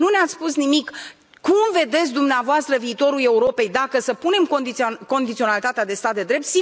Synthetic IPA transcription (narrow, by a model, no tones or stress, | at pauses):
nuneat̪sspusnimik | kumve̞d̪e̞t̪sʲd̪umneavoast̪ɾəviːt̪o̞ɾule̞uɾo̞pe̞jd̪akəsəpune̞mkod̪iko̞nd̪it̪sio̞nalit̪at̪ead̪e̞st̪at̪̚d̪e̞d̪ɾe̞p̚t̪si